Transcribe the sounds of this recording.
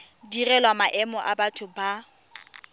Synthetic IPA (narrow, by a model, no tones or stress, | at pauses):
dirɛlwamaʔɛmɔʔabatʰʊba